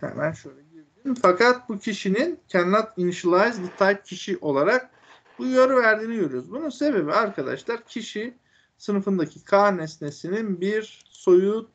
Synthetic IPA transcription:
hɛ̰mænʃø̞jlʲɛɟiɾd̪imfakʰat̪̚bucʰiʃinincʰænlˠat̪ʰinʃlˠajzd̪it̪ʰajcʰiʃiʔo̞lˠaɾak̚ | bujoɾvæɾd̪iːniɟø̞ɾyjoɾuzbununse̞be̞biaɾkʰad̪a̰ʃlˠaɾcʰiʃi | sɯnɯfɯnd̪acʰikʰaːnɛsnesininbiɾ | so̞ju

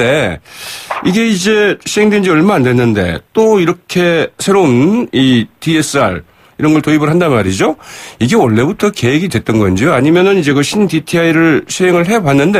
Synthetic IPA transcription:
e | iɡe̞id͡ʑe̞ɕʰiɦe̞ŋdwend͡ʑiʌɭmaandwe̞nːɯnde̞̰t͈oiɾʌkʰe̞sʰe̞ɾounities͈ɯa̰ɭ | iɾʌnɡʌɭtoibɯɭɦandanmaɾid͡ʑoiɡe̞wʌɭːe̞butʰʌke̞ɦeɡidwe̞t̚t͈ʌnɡʌnd͡ʑoaɲimjʌnɯnid͡ʑe̞kɯɕʰinditʰiaiɾɯɭɕʰiɦeŋɯɭɦe̞banːɯnde

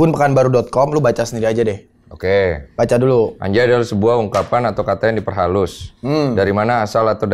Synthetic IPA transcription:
bʊnpəkanbaɾudɔt̪̚kɔmlubat͡ʃasəndiɾiad͡ʒadɛh | okeb̥at͡ʃadulua̰ɲd͡ʒaːdalsəbuahuŋkapanat̪awkat̪ajandipərɦalʊsdaɾimanaːsalat̪awd

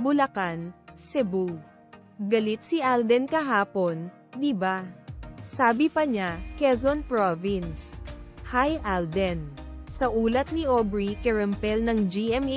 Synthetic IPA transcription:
bʊlɐkansɛbu | ɡɐlɪt̪̚sɪʔald̪ɛnkɐɦaːpo̞n | d̪ɪba | saːbɪpɐɲakɛzonpɹovɪnshajʔald̪ɛn | sɐʔuːlɐt̪̚nɪʔobɹikɛɹɛmpɛlnɐŋd͡ʒiʔɛm

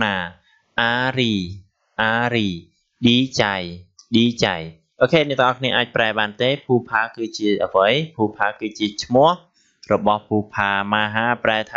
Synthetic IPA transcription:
naː | ʔaːriː | ʔaːriː | ɗiːt͡ɕajɗiːt͡ɕaj | ʔoːkʰeːniət̪ʰŋʔɑkʰniəʔaːc̚praɛɓaːnt̪eːpʰuːpʰaːkɨːt͡ɕiəʔəʋəjpʰuːpʰaːkɨːt͡ɕiət͡ɕʰmʊ̆əh | rɔɓɑhpʰuːpʰaːmaːɦaːpraɛt̪ʰː

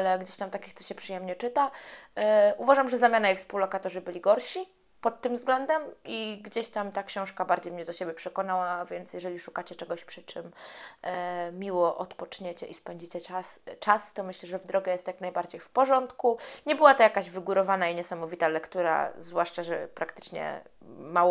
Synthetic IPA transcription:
alɛɡd͡ʑeɕt̪amt̪akʲixt̪ɔɕɛpʂɨjɛmɲɛt͡ʂɘt̪a | ʔuvaʐamʐɛzamʲjanaifspuwlɔkat̪ɔʐɘbɘlʲiɡɔɾɕi | pɔt̪ːɘmvzɡlɛnd̪ɛmiɡd͡ʑeɕt̪amt̪akɕɔ̃w̃ʂkabaɾd͡ʑejmɲɛd̪ɔɕebʲjɛpʂɛkɔnawavʲjɛnt̪sjɛʐɛlʲiʂukat͡ɕɛt͡ʂɛɡɔɕpʂɘt͡ʂɘm | mʲiwɔʔɔt̪pɔt͡ʂɲet͡ɕɛʔispɛɲd͡ʑit͡ɕɛast͡ʂast̪ɔmɘɕlɛʐɛvd̪ɾɔɡɛjɛst̪jaknajbaɾd͡ʑejfpɔʐɔnt̪kuɲɛbɘwat̪ɔjakaʑvɘɡuɾɔvanaiɲɛsamɔvʲit̪alɛkt̪uɾa̰zvwaʂt͡ʂaʐɛ̰pɾakt̪ɘ̥t͡ʂɲɛ̰mawɔ

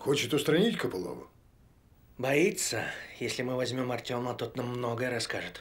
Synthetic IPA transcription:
xot͡ɕɪt̪ʊst̪ɾɐnʲitʲkəpɨlˠo̰vʊ̰ | bɐit̪səjesʲlʲɪmɨvɐzʲmʲo̞mɐrtʲo̞mət̪ot̪namːno̞ɡəjəɾɐskaʐɨt̪

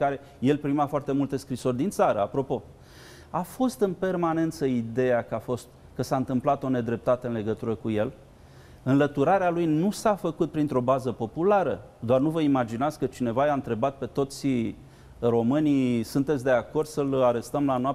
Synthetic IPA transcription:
kaɾe̞ | je̞lpɾimafoart̪e̞mult̪e̞skɾiso̞rʲd̪int̪saɾəapɾo̞po̞ | afo̞st̪ɨnpe̞rmane̞nt̪səid̪e̞jakafo̞st̪ | kəsaɨnt̪ɨmplat̪o̞ne̞d̪ɾe̞p̚t̪at̪eɨnle̞ɡət̪uɾəkuje̞l | ɨnlət̪uɾaɾealujnusafəkut̪̚pɾint̪ɾo̞bazəpo̞pulaɾə | d̪oarnuvəimad͡ʒinat̪sʲkət͡ʃine̞vajaɨnt̪ɾe̞bat̪̚pe̞t̪o̞t̪sʲ | ro̞mɨnisunt̪e̞t̪sʲd̪e̞ako̞rd̪səlaɾe̞st̪əmlanoap̚

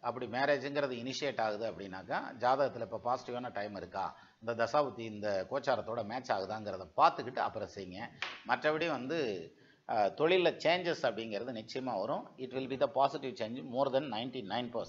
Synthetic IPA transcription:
ɐpːɐɽimeːɾeːd͡ʒɯŋɡɪɾɐðɯɪnɪʂɪeʈːaːɣɯðɯɐpːɐɽɪnːaːkːa̰ːd͡ʒaːðɐɣɐt̪ːɪlɐɪpːɐːpaːsɪ̥ʈɪʋaːnɐʈɐɪmɪɾɯkːa̰ː | ɪnd̪ɐd̪ɐsaːbɐt̪ːiɪnd̪ɐkoːt͡ʃːaːɾɐt̪ːoːɽɐmeːt͡ʃaːɣɯðãːŋɡɪɾɐðɐpaːɾt̪ɯkːɪʈːɯɐ̰pːɐɾɐ̃sɛjɯŋɡɐ̃mɐʈrɐpɐɽɪjʊ̃ʋɐnd̪ɯ | t̪ɔɭɪlɐt͡ʃeːnd͡ʒɛsɐpːɐɽɪŋɡɪɾɐðɯnɪt͡ʃːɐjɐmaːʋɐɾʊ̃ɪʈʋɪlbiðɐpaːsɪʈɪʋt͡ʃẽːnd͡ʒmoːɾd̪ɐnːɐɪnʈinɐɪnpɐs

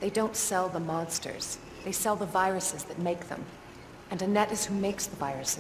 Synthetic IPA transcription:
ðeɪdõʊ̃ntsɛlˠðəmɑ̃nstə̰˞z̥ | ðeɪsɛlˠðəvaɪɹɨsɨzðɨt̚meɪk̚ðə̰̃m | ɨ̃nɨnɛɾɨz̥humeɪksðəvaɪɹɨsɨ

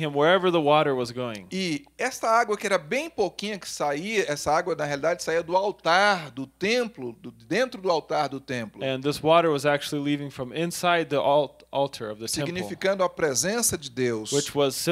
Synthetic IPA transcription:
ɨ̃mwə˞ɛvə˞ðəwɔɾə˞wʌzɡoʊɪ̰̃ŋɪɛst̪ɐaɡwɐkɪɛɾɐbẽj̃pokĩɲɐkɪ̥saiɐɛsɐaɡwɐnɐɦealid̪ad͡ʒɪsaiɐd̪ʊawt̪aɾd̪ʊt̪ẽmplʊd̪ʊd̪ẽnt̪ɾʊd̪ʊawt̪aɾd̪ʊt̪ẽmplʊɨ̃nðɪswɔɾə˞wʌzæk̚t͡ʃul̩ˠilivɪ̃ŋfɹʌ̃mɪ̃nsaɪd̪̚ðiʔɔ | ʔɔlˠtʰə˞ʌvðɨsiɛ̃ɡnilfikɐ̃nd̪ʊɐpɾezẽsɐd͡ʒɪd̪ewswɪt͡ʃwʌz̥s

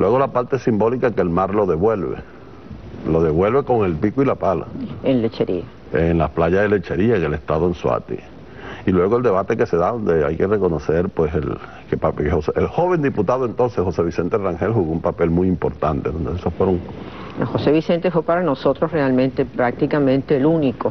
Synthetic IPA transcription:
lwe̞ɣ̞o̞lapaɾt̪esimbo̞likakelmaɾlo̞ðe̞βwe̞lβḛ | lo̞ðe̞βwe̞lβe̞ko̞ŋe̞lpikuilapala̰enlet͡ʃeɾia | enlasplaʝazðelet͡ʃe̞ɾiaŋele̞st̪aðoenswa̰t̪ḭ | ilwe̞ɣoeld̪e̞β̞at̪e̞ke̞se̞ðaðo̞nd̪ea̰jke̞re̞ko̞nose̞ɾpwe̞sḛl | kepakehoseʔelxoβe̞nd̪iput̪aðoent̪o̞nsesho̞se̞βise̞nt̪eraŋxe̞lxuɣoumpape̞lmujimpo̞ɾt̪ant̪e̞ðond̪eesosfweɾo̞ŋ | hoseβise̞nt̪efwepaɾanosot̪ɾosrealmẽnt̪epɾak̚t̪ikamẽnt̪eːluniko

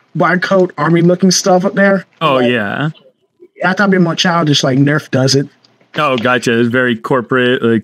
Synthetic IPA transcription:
wɑɪd̚kʰoʊɾɑɹmilʊkɪ̃ŋstʌfʌp̚ðə˞oʊjæ̰ | aɪθɑt̚bĩmaɪt͡ʃʰaɪlˠd̚d͡ʒʌstlaɪk̚nɜ˞fd̥ʌzɪt̚ | oʊɡɑt͡ʃɨvɛɹikʰɔɹpɹɨtlaɪk̚

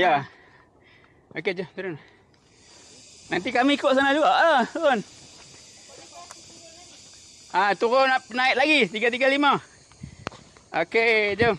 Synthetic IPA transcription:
ja | oked͡ʒət̪uɾʊn | nant̪̬ikamiikoʔsanad͡ʒuɡaʔaon | at̪uɾʊnanaiʔ̪̚laɡit̪iɡat̪̬iɡalima | oked͡ʒom

